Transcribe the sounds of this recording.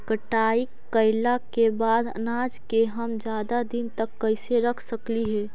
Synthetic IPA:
kəʈaːikː | əɪlakebaːd̪ə̰naːd͡ʒkeɦəmd͡ʒjaːd̪ad̪ɪnt̪əkːəɪseɾəkʰsəkliɦɛː

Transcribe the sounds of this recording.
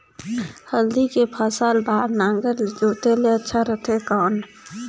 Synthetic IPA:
həld̪ikepʰaːsaːlbaːɾnãːŋɡəɾd͡ʒoːt̪eleətːʃʰaɾət̪ʰekɔːn

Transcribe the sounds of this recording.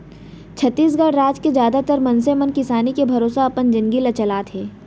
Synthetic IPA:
t͡ʃʰɐt̪ːiːs̬ɡaːɽɾaːd͡ʒkezjaːd̪at̪əɾmɐ̃nsemɐnkɪsaːnikebʱɐɾoːsaɐpənd͡ʒɪ̃ŋɡilɐt͡ʃɐlaːt̪ɦeː

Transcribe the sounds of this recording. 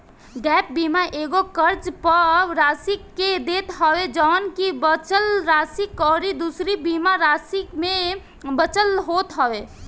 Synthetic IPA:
ɖɛp̚bimaʔeɡokəɾd͡ʒpəɾasikːed̪et̪ɦəwed͡ʒɔːnkibət͡ʃəlɾasikːɔːɾid̪usɾibimaɾasikme | bət͡ʃəlɦot̪ɦɔwe

